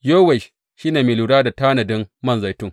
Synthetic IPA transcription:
joː˦wɛ˨ʃ | ʃi˦neː˨meː˨luː˨ɽaː˦da˨taː˦nɐ˨dɪ˦mmɐ˦˨nza˨jtʊ˦ŋ

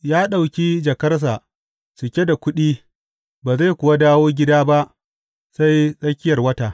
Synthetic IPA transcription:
jaː˦ɗa˨wkʲiː˦d͡ʒɐ˨kɐ˦rs̬a˨ʔ | sʊ˨kʲe˦da˨kʷʊ˦ɗiː˦ | baː˨za˦˨jkʷʊ˨wa˦daː˦woː˦ɡʲɪ˦daː˦ba˦ʔ | sa˦jsʼɐ˦kʲɪ˦jɐ˨rwɐ˦taː˨

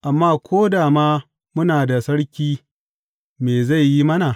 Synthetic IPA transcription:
ʔa˨mːaː˦kʷʰoː˦daː˨maː˦ | mʊ˦naː˨da˨sɐ˦ɽkʲiː˦ | meː˨za˦˨jjːi˦mɐ˦na˨

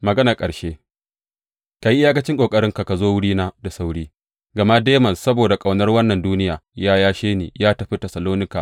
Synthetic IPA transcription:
mɐ˨ɡɐ˦na˨kʼɐ˨ɽʃeː˦ | ka˨ji˦ɪ˦jaː˦kɐ˦t͡ʃɪ˦ŋkʷʼoː˨kʼɐ˦ɽɪ˦ŋka˨ka˨zoː˦wʊ˦ɽiː˦naː˦da˨sa˦wɽiː˦ | ɡɐ˨ma˦deː˦mɐ˨nsɐ˦boː˨da˨kʼa˨wnɐ˦rwɐ˦nːɐ˨nduː˦nɪ˦jaː˨jaː˦jaː˦ʃeː˦nḛː˨jaː˦tɐ˨ɸi˦tɐ˨sɐ˨loː˦nɪ˦kaː˨

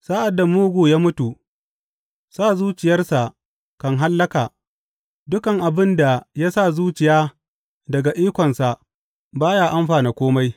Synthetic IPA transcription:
saː˦ʔa˨dːa˨muː˦ɡʷu˨jaː˦mʊ˦tu˨ | saː˦˨zuː˦t͡ʃɪ˨jɐ˦rsa˨ | kɐ˨ŋɦa˦lːɐ˦kaː˨ | dʊ˦kɐ˨ŋʔa˨bɪ˦nda˨ja˦sa˦˨zuː˦t͡ʃɪ˨jaː˦ | dɐ˨ɡa˨ʔiː˦kʷɔ˨nsa˨ | baː˦jaː˦ʔa˦mɸaː˨ne˨kʷoː˦ma˦j

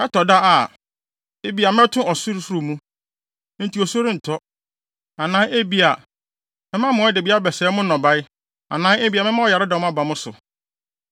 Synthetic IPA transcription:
ɛ˦tʰɔ˨da˦a˨ | e˦bi˨˦a˨mɛ̃˦tʰʊ̃˦ɔ˨su˦ɾsu˦ɾu˨mũ˦ | n̩˦tʰi˨ɔ˨so˦ɾĩ˦n̩˨tʰɔ˦ | ã˨nãː˦ʔe˦bi˦a˨ | mɪ̃˦mã˦mʊ̃˨˦ɛ˦de˨bi˦a˦bɛ˨sɛ˨˦mʊ̃˦nɔ̃˨ba˦ɪ˦ | a̰˨nãː˦e˦bi˦a˨mɪ̃˦mã˦ɔ˨ja˨ɾɪ˦dã˨m̃˦a˦ba˨mʊ̃˦sʊ̰˨

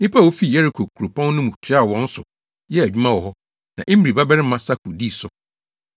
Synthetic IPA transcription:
nɪ̃˦pʰa˦˨o˦fi˦˨jɛ˦ɾɪ˦˨kʰo˨kʰu˨ɾo˨pʰã˦n˦nʊ̃˦mũ˨t͡ɕʰᶣɪ˦a˦˨wɔ̃˦n̩˦sʊ˨ | jɛ˦æ˨d͡ʑᶣu˦mã˦wɔ˨hɔ˦ | nã̰˨ʔe˦m˦˨ɾi˨ba˦bɛ˦ɾɪ˦mã˦sa˦kʰu˨di˦˨sʊ˨

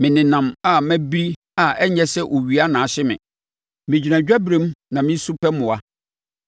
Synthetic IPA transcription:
mɪ̃˨nɪ̃˨nã˨ma˨mæ̃˦bi˦ɾi˦ | a˨ɛ˦ɲɛ˦sɛ˦ʔo˨ɥi˨a˦nãː˨˦ɕɪ˦mɪ̰̃˨ | mɪ̃˨d͡ʑi˨ɾã˨d͡ʑᶣa˦bɾẽ˦mnã˨mɪ̃˦n̩˦su˦pʰɛ˦mʊ̃˨a˦

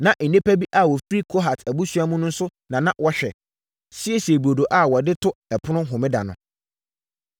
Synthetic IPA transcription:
nã˨ʔ̩˨nẽ˦pæ˦bi˦ʔa˦˨wɔ˨fɾi˦kʰo˦ɦa˨tʰæ˨bu˦su˦a˦mũ˦nʊ̃˦n̩˦sʊ˦nã˨nã˦wʔɔ˦ɕᶣɛ̰˨ | si˦e˦si˨e˨bu˨o˨do˨ʔa˦˨wɔ˨dɪ˦tʰʊ˦ɛ˨pʰʊ˦nʊ̃˦ɦʊ̃˨mɪ̃˦da̰˨nʊ̰̃˨

